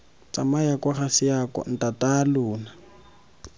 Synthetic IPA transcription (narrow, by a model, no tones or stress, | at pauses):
t͡samajakwaχasɪjakʼɔ̰n̩tatʼalʊːna